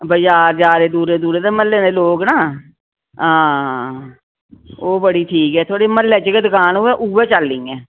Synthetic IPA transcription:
bəd͡ʒaːɾd͡ʒaːɾeːd̪uːɾeːd̪uːɾeːd̪eːməlːẽːneːloːɡnaː | ɦãː | oːbəɽiːʈʰiːkɛːt̪ʰoaːɽeːməlːɛːt͡ʃːkeːd̪ʊkaːnʊɛːʔuːʋɛːt͡ʃəlːĩːɛ̃ː

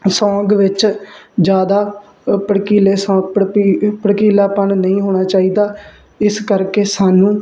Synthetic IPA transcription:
sɔ̃ːɡʋɪt͡ʃd͡ʒjaːd̪aː | pəɽkiːleːsɔ̃ːɡ̚pəpəɽkiːlaːpənnəĩːɦoːɽ̃aːt͡ʃaːiːd̪aː | ɪskəɾkeːsaːnũː

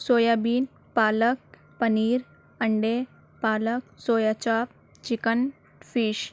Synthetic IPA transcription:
soːjabiːn | paːlək̚ | pəniːɾ | əɳɖe | paːlək̚soːjat͡ʃaːp̚ | t͡ʃikən | fiːʃ

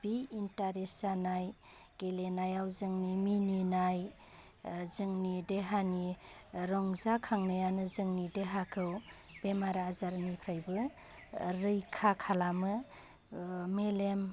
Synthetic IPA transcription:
b̥iintaɾesanaj | ɡ̥elenajawzɯŋnimininaj | zɯŋnideɦani | ɾɔŋzakʰaŋnɯjanɯzɯŋnideɦakʰɯw | b̥emaɾazaɾnipʰɾajbɯ | ɾɯjkʰakʰalamɯ | melem

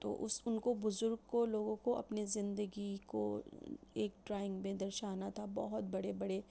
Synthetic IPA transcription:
t̪o̰ːʔʊ̰sʊnkobʊzʊɾɡ̚koloːɡõkoɐ̰pnizɪ̃nd̪əɡiko̰ | eːk̚ʈɾaːɪ̃ŋɡmẽd̪ɐɾʃaːnat̪ʰabɔɦʊt̪̚bɐɽebɐɽe

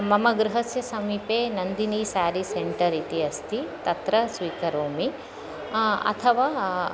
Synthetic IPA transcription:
mɐmɐɡɾuɦɐsjɐsɐmiːpeːnɐnd̪iniːsaːɾiseɳʈɐɾit̪iɐst̪ʰit̪ɐt̪ɾɐsʋiːkɐɾoːmi | ɐ̰t̪ʰɐʋaː

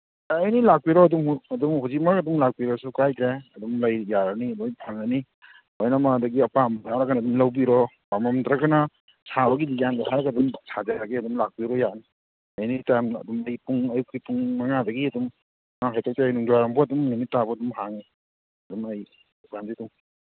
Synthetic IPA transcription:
jnilak̚piɾɔɐdumhɐdumhuzik̚makɐdumlak̚biɾɔsukajkʰɾeɐdumlɐjːaɾɐniɐdumpʰaŋnani | ojnamadɐɡiɐpambjaɾaɡanadumlɐwbiɾɔ | pamamdɾaɡana | sʰabɐɡidizandaɦaɾɡadumsʰadaɾaɡiɐdumlak̚piɾɔjani | ɐjnitamɐ̰dumɐjpuŋɐjkʰipuŋmaŋadɐɡiɐdum | ŋaɦajtʰɔk̚tʰeajnuŋdaɾambɔɐdumnunitabɔɐdumhaŋi | ɐdumɐj | ukamzidum

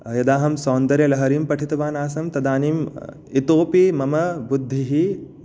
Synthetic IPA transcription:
jɐd̪aːɦɐmsɔːnd̪ɐɾjɐlɐɦɐɾiːmpɐʈʰit̪ɐʋaːnaːsɐmt̪ɐd̪aːnim | it̪oːpimɐmɐbud̪ʱːiɦi

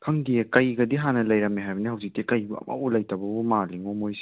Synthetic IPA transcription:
kʰɐŋdijekɐjɡɐdiɦanɐlɐjɾɐmeɦajbɐnihɐwzik̚tekɐjbuɐ̰ma̰wulɐjtabɐbumaliŋɔmojsi̥

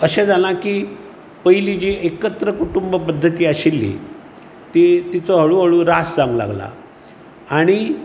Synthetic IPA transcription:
əɕẽd͡zʱalãkiː | pəjlid͡ʑiːekət̪ɾəkuʈumbəpəd̪ʱːət̪iːaɕilːḭ | t̪it̪it͡soɦəɭuɦəɭuːɾasd͡zãŋɡla̰ɡla̰ | aɽ̃i

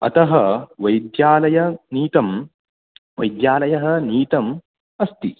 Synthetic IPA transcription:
ɐ̰t̪ɐɦɐʋɐjd̪jaːlɐjɐniːt̪ɐm | ʋɐjd̪jaːlɐjɐɦɐ̆niːt̪ɐm | ɐst̪ḭ

